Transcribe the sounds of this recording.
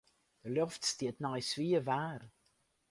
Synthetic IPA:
d̥əlɔftstiətnɔjsʋiəʋaːr

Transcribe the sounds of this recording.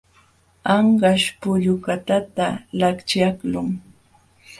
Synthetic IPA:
ɑɴɢɑʃpʊʎʊkat̪at̪alakt͡ʃaklʊŋ

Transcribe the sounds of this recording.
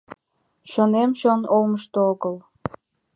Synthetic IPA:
ʃonemʃonolməʃt̪ooɣəl

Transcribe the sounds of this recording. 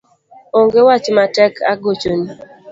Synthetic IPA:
oŋɡewat͡ʃmatɛkʰa̰ɡot͡ʃoni

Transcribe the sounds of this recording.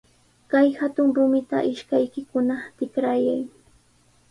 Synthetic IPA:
kajhat̪ʊŋɾʊmɪt̪a̰ʔɪʃkajkɪkʊnat̪ɪkɾajaj

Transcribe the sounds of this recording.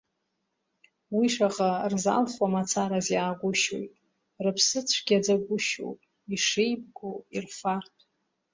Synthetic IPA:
wiʂaʁarza̰lχwamat͡sʰaɾazjaːɡʷʊʃo̰jtʼ | rɨpʰsɨt͡sʷʰɡʲad͡zaɡʷʊʃo̰wpʼ | iʂejb̚ɡoirfartʰʼ

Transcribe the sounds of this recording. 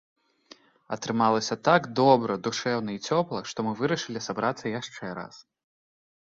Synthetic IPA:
ɐ̰t̪ɾɨmalˠɐsʲɐt̪aɡd̪ɔbɾɐd̪uʂɛwnɐit͡sʲɔplˠɐʂt̪ɔmɨvɨɾɐʂɨlʲisabɾat̪sːɐjaʂt͡ʂɛɾa̰s

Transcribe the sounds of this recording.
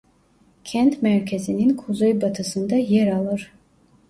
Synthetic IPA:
cʰænt̪mæɾcʰezininkʰuzojbat̪ʰɯsɯnd̪ɑjeɾɑlˠɯɾ̥

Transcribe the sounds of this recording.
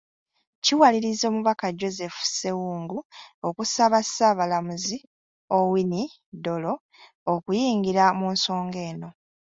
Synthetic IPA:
ciwaliɾizo̞ːmuβakaɟo̞ze̞fu̥se̞wuːŋɡuokusaβasaːβalamuzi | owini | do̞lo̞ | okujiːŋɡiɾamuːnso̞ːŋɡe̞ːno̞

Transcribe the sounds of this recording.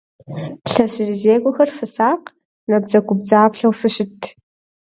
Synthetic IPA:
ɬɐɕɪrizeːɡʷʊxɐrfɨsaːq | nɐb̚zɐɡʷʼʊb̚d͡zaːpɬɐwfɨɕɪtʰ

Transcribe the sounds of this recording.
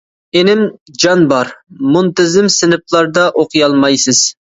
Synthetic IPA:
enɪmd͡ʒɑnbɑɾmunt̪ɪzɪmsɪnɨp̚lˠɑɾd̪ɑʔoqʰɨjɑlˠmɑjsɨz̥

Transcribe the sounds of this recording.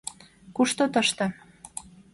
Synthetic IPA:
kuʃt̪ot̪əʃt̪ɤ

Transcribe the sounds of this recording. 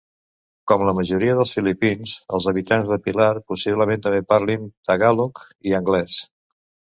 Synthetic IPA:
kɔmləməʒuɾiəðəlˠsfilipinzə̰lˠzəβ̞it̪anzðəpilaɾpusiβləment̪əmbepaɾlind̪əɣaluk | iəŋɡlɛs

